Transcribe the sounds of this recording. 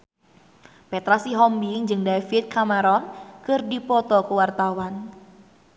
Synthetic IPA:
pɛt̪ɾasiɦɔmbiŋd͡ʒɨŋdafit̪̚kʰamaɾɔnkɨrdipɔt̪ɔkuwart̪awan

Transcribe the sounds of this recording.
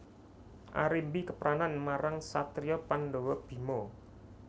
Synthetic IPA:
ʔa̰ɾimbikəpəɾʔananmaɾaŋsat̪ɾiɔpanɖowɔb̥i̤mo

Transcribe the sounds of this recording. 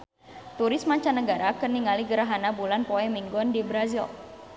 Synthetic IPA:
t̪uɾɪsmaɲt͡ʃanəɡaɾakəniŋaliɡəɾaɦanabulanpɔɛmiŋɡɔndibɾazil

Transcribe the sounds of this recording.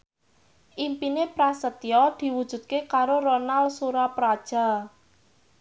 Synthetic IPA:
ʔimpinepɾasət̪jɔd̪̥i̤wud̥ʒ̥ṳd̪̚kekaɾoɾonalsuɾapɾad̥ʒ̥a̤l

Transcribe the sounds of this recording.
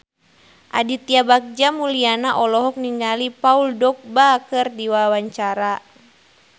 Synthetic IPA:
ʔa̰dit̪iabak̚d͡ʒamulianaʔɔlɔɦɔk̚niŋɡalipauldɔk̚bakɨrdiwawaɲt͡ʃaɾa

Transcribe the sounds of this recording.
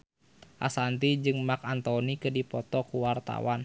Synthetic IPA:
ʔa̰sant̪id͡ʒɨŋmakant̪ɔnikɨdipɔt̪ɔkuwart̪a̰wan

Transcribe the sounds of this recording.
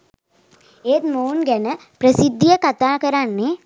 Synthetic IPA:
eːt̪moːnɡɛnəpɾəsid̪ʱːijəkat̪aːkəɾanːe

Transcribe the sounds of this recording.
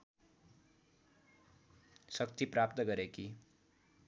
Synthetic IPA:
sʌkt̪iprap̚t̪ʌɡʌɾeki

